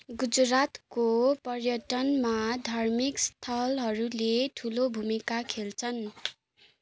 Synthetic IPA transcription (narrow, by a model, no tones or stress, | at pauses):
ɡud͡zrat̪kopʌrjʌʈʌnmad̪ʱʌrmikst̪ʰʌlɦʌɾuleʈʰulobʱumikakʰelt͡sʰʌn